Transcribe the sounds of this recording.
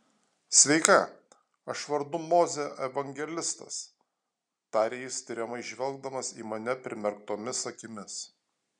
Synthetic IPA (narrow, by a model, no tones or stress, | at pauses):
sʲʋʲɛɪkɑ | ɐʃʋɐɾd̪ʊmoːzʲɛʔɛʋɐŋʲɡʲɛlʲɪst̪ɐ̰s | t̪ɑːɾʲeːjɪsʲt̪ʲɪɾʲɛmɐɪʒʲʋʲɛlˠɡ̚d̪ɐmɐsḭːmɐnʲɛpʲɾʲɪmʲɛɾk̚t̪oːmʲɪsɐkʲɪmʲɪs